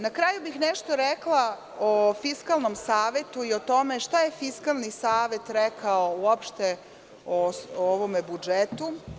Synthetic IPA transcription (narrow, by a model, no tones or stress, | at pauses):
nakɾaːjubixneʃt̪o̞ɾɛklˠa | ofiskalˠno̞msaːʋe̞t̪uio̞t̪o̞me̞ʃt̪aje̞fiskalˠnisaːʋe̞t̪ɾekʰaouopʃt̪e | ooʋomebud͡ʒet̪u